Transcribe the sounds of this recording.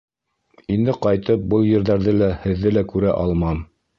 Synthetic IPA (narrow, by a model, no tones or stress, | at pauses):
ind̪ɘqɑjt̪ɤp̚bɤlˠjɘ̆ɾðæɾðɘlæhɘ̆ðːɘlækʉɾæʔɑlˠmɑm